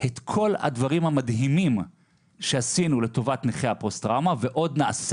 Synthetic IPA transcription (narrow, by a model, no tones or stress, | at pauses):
het̪kʰo̞la̰dvaʁimhamadɦimim | ʃe̞asinule̞to̞vatneχeapʁostʁamaveʔo̞dnaʔase